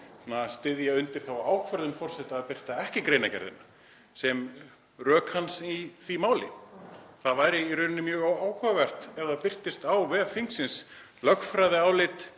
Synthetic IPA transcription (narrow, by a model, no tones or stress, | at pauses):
nast̪ɪðjaʏnt̪ɪɾ̥θawaːwkʰvɛɾðʏnfɔr̥sɛht̪aːðpɪr̥t̪aɛhcɪkɾejnacɛ̰ɾðɪ̰na | sɛm | rœːkhansiθvimaːwlɪ̰θaðvaːjɾɪiɾʏːnnːɪmjœːɣawaːwkʰœavɛr̥t̪ɛɣθaðpɪr̥t̪ɪst̪awvɛːðθiŋksɪns | lœxfɾajðɪaːwlɪt̪